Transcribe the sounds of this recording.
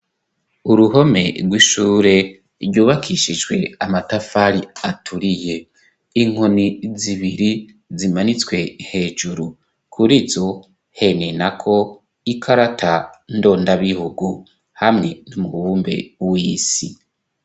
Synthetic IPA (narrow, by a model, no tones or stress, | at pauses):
uɾuɦo̞me̞ɾɡwiʃuːɾe̞ | ɾjuːβakʰiʃid͡ʒwe̞amatafaɾiatʰuɾije̞ | iŋ̥honiziβiɾi | zimanit͡swe̞he̞ːd͡ʒuɾu | kʰuɾizo̞ | he̞nenakʰo̞ | ikʰaɾatʰando̞ːndaβihuɡu | hamŋe̞numuβuːmbe̞̰wiːsi